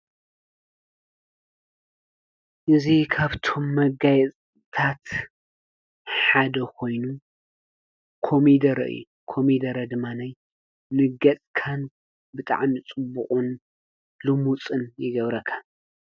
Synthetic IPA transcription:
ʔɨzikʰaβt̪ʰo̞mːɐɡajɛt͡sʼ | t̪ʰat̪ | ħad̪ɐkʰo̞jnu | kʰo̞mid̪ɐɾɐ̰ʔɨ̰jːṵ | kʰo̞mid̪ɐɾɐd̪ɨmːanaj | nɨɡɐt͡sʼkʰan | bɨt̪ʼa̰ʕmit͡sʼɨbːuχʼun | lɨmut͡sʼɨnjɪɡɐβɾɐkʰḁ

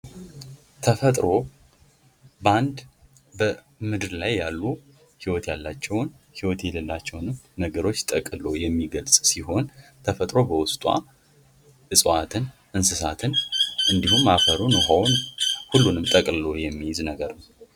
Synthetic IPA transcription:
t̪ʰəfət̪ʼɾo̞ | bəand̪ | bə | mɨd̪ɨɾlajːalːu | hiwɔt̪jalːat͡ʃːɛwn | hiwɔt̪jɛlɨlːat͡ʃːɛwnɨmnəɡəɾo̞t͡ʃːt̪ʼəkʼɨlo̞jɛmːiɡəlsʼsiɦo̞nt̪ʰəfət̪ʼɾo̞bəwʊst̪ʼwa̰ | ʔɨsʼwat̪ʰɨn | ʔɨnsɨsat̪ʰɨnʔɨnd̪ihumːafəɾunɔɦawnhulːunɨmt̪ʼəkʼlojɛmːijɪznəɡəɾnəw

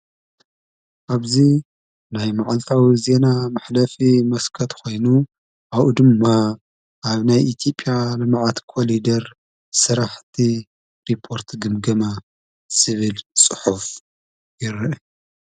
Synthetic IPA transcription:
ʔaβzi | najmaʕalt̪ʰawize̞namaħlɐfimɐskʰɐt̪kʰo̞jnu | ʔaβud̪ɨmːa | ʔaβnajʔit̪ʰjo̞pʼjalɨmaʕat̪kʰolid̪ɐɾ | sɨɾaħt̪ʰi | ɾipʰːo̞ɾt̪ɡɨmɡɐma | sɨβɨlt͡sʼɨħuf | jɪɾʔ

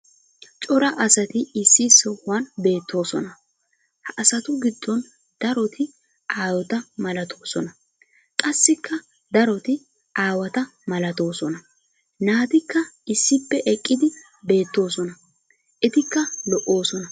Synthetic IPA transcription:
t͡ʃʼɔɾɐʔɐsɐt̪ɪɪsːɪsɔanbe̞ːt̪ːo̞ːsɔ̰nɐ | hɐʔɐsɐt̪ʊɡɪd̪ːɔn | d̪̥ɐɾɔt̪ɪ | ʔaːwɔt̪ɐmɐlɐt̪ʰo̞ːsɔnɐ | kʼɐsːɪkːɐ | d̪ɐɾɔt̪ɪ | ʔaːwɐt̪ɐmɐlɐt̪o̞ːsɔnɐ | naːt̪ɪkːɐɪsːɪpːɛʔɛkʼːɪd̪ɪ | be̞ːt̪ːo̞ːsɔnɐ | ʔɛt̪ɪkːɐlɔʔo̞ːsɔnɐ

